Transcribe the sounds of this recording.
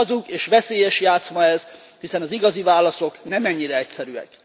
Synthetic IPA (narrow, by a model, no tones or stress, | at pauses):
zukeːʃʋɛseːjɛʃjaːt̪smɒɛz | hisɛnɒziɡɒzivaːlːɒso̞knɛmɛɲːiɾɛɛcsɛɾyɛ̰k